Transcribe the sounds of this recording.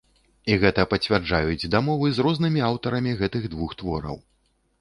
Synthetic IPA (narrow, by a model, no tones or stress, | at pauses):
iɣɛt̪ɐpɐt͡sʲvʲard͡ʐajud͡zʲd̪amɔvɨzrɔznɨmʲiawt̪ɐɾɐmʲiɣɛt̪ɨɣd̪vuxt̪vɔɾɐ̰w